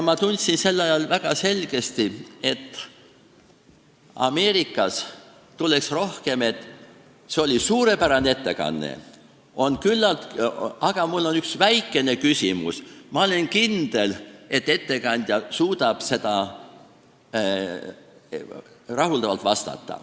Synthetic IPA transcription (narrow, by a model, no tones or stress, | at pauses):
mɑt̪unʲt̪sinse̞lːɑjɑlvæɡ̥ɑse̞lɡ̥e̞st̪ie̞t̪ːˑ | ɑ̰me̞ːɾikːˑɑs | t̪ulːe̞ksro̞hke̞me̞t̪ːˑ | seo̞lʲisuːɾe̞pæɾɑnet̪ːe̞kɑ̰nːḛ | o̞nkylːɑlt̪ɑɡ̥ɑmulːo̞nyksvæjkːˑe̞ne̞kysʲimṵsmɑo̞le̞nkind̪̥e̞le̞t̪ːe̞t̪ːe̞kɑnʲd̪̥ʲjɑsuːd̪ɑb̥se̞d̪ɑ | rɑɦuld̪ɑvɑlt̪vɑst̪ɑ̰t̪ˑːɑ̰